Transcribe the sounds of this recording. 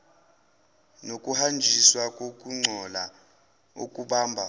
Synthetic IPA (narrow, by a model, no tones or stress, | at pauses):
nokʼuhand͡ʒʱiswakʼokʼuŋ͡ǀʱɔla | o̰kʼuɓaːmbʱa